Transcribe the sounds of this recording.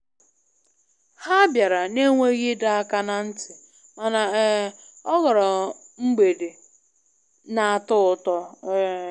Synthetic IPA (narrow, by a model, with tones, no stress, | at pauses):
ha˦bja˨ɾa˨ne˦ŋʷe˦ɣɪ˦da˦a˦ka˦na˨n̩˦tɪ˨ | ma˨na˨˦ | ɔ˦ɣɔ˨ɾɔ˨ | ŋ͡m̩˦ɡ͡be˨de˨ | na˨a˨tʊ˦ʊ˨tɔ˦